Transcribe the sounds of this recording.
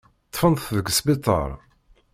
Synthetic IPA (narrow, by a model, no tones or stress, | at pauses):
t̪ːfənθðəɡəsbit̪ˤə̰ɾˤ